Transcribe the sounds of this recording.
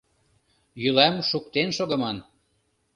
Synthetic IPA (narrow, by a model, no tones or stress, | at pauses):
jylæmʃukt̪enʃoɣɤ̆mɑn